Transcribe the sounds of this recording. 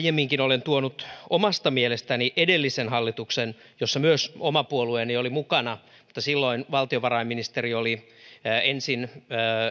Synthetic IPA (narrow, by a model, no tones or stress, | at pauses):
jemːiŋkinolent̪uonut̪omɑst̪ɑmielest̪æniʔedelːisenhɑlːit̪uksen | josːɑmyøsomɑpuolueniolimukɑnɑ | mu̥t̪ːɑsilːoinʋɑlt̪ioʋɑrɑimːinist̪erioli | ensinː